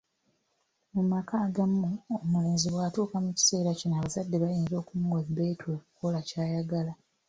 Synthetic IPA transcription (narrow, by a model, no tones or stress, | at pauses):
mumakaːɡamːuomule̞ːnziβwaːtuːkamuci̥se̞ːɾacinaːβazadːe̞βajeːnzo̞ːkumuɡobe̞ːtwoːku̥kolacaːjaɡala